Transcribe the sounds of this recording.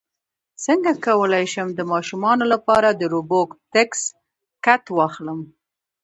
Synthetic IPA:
səŋɡakawəlajʃəmd̪əmɑʃumɑnolapɑɾad̪əɾubokt̪eks | kat̪wɑxləm

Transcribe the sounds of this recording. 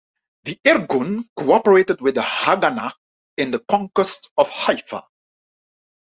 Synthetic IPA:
ðiʔɛɹɡɔ̃nkʰoɔpəɹetəd̚wɪðəhaɡana | ɪ̃nðəkʰɔ̃ŋkwəstɔv̥hajfə̰

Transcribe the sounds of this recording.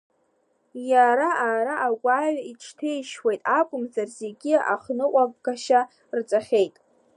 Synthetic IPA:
jaɾaaːɾaʔaɡʷʼaːɥaiʈ͡ʂʰtʰejʃwejtʼakʷʼʊmzarze̞ɡʲia̰χnɨqʷʼavɡaʃa | rt͡sʼaχʲe̞jtʼ

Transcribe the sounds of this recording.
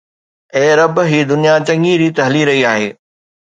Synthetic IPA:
ẽːɾɐbɦiːd̪ʊnijat͡ɕɐ̃ŋɡiɾiːt̪ɐɦliɾɐɦiaːɦḛː

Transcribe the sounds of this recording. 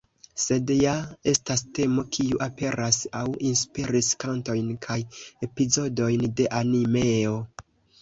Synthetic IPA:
se̞djae̞staste̞mo̞kʰiuʔape̞ɾasawinspiɾiskanto̞jnkʰaje̞pizo̞do̞jnde̞ʔanime̞o̞

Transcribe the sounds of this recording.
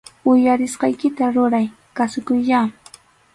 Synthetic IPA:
ʊjaɾɪsqɑjkɪt̪aɾʊɾaj | kasʊkʊjʎa

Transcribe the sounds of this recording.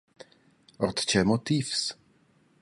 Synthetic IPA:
ɔt̪t͡ʃɛmot̪ifs

